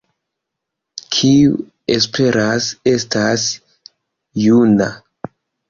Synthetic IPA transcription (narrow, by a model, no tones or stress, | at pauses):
kʰiu | espʰe̞ɾase̞stas | juna̰